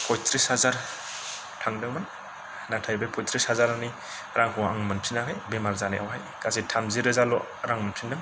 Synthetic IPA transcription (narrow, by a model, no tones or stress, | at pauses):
pʰɔjtʰɾishazaɾ | tʰaŋdɯŋman | natʰajbajpʰɔjtʰɾishazaɾani | ɾʔaŋkʰɔa̰ŋmɯntʰinakʰajbemaɾzaneʔa̰wɦajkasitʰamziɾɯzalɔ | ɾaŋmɯntʰindɯŋ